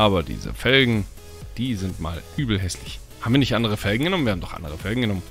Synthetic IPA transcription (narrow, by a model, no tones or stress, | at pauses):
ʔaːbɐdḭːzə̰fɛlɡŋ̩ | d̥iːzɪntma̰ːlʔyːbl̩ɦɛslɪçhaːbmviːɐnɪçtʔandəʁəfɛlɡŋ̩ɡənɔmn̩vːɐhabm̩d̥ɔχʔa̰ndəʁəfɛlɡŋ̩ɡənɔmən